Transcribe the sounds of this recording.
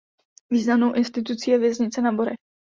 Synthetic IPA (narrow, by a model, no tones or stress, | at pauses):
viːznamnowʔɪnst̪ɪt̪̬ut͡sijɛvjɛzɲɪt͡sɛnaboɾɛx